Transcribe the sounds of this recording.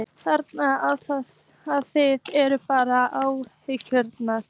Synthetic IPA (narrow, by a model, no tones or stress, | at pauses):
θɛɾt̪naaðθa | aðθɪðɛɾʏpaːɾaʔawhɪcʏɾt̪naɾ̥